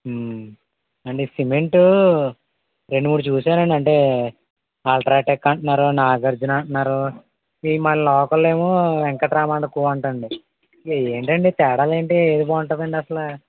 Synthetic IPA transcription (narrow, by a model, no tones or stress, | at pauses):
ɐɳɖesimeɳʈu | ɾeɳɖumuːɽut͡ʃuːsaːɾɐɳɖiɐɳʈeː | aːlʈɾaːʈekːɐɳʈɐnːaːɾunaːɡɐɾd͡ʒunɐɳʈɐnːaːɾu | imallɔːkɐlːeːmoʋɛŋkɐt̪ɾaːmaːɳɖɐkuːʋɐɳʈɐɳɖi | eeːɳʈɐɳɖit̪ɛːɽaːleːɳʈeeːd̪ibaːuɳʈɐd̪ɐɳɖiɐsɐlɐ